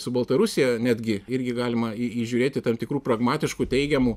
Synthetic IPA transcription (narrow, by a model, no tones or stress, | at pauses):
sʊbɐlˠt̪ɐɾʊsʲɪjɛnʲæːd̪ʲɡʲɪɪɾʲɡʲɪɡɑːlʲɪmɐiiːʒʲuːɾʲeːt̪ʲɪt̪ɐmt̪ʲɪkɾuːpɾɐɡmɑːt̪ʲɪʃkuːt̪ʲɛɪɡʲɛmuː